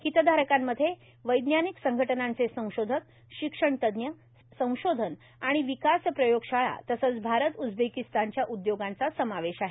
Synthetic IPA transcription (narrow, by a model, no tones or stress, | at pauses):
kit̪əd̪ʱaɾəkamːəd̪ʱːje | ʋəjd̪njaniksəŋɡʱəʈənãnt͡sesə̃w̃ɕod̪ʱək̚ | ɕikʂəɳt̪əd̪njə | sə̃w̃ɕod̪ʱən | aɽ̃iʋikaspɾəjoɡɕaɭa̰t̪əsət͡sbʱaɾət̪ud͡zbekist̪aɲt͡ɕjaʔud̪joɡãnt͡sasəmaʋeɕaɦe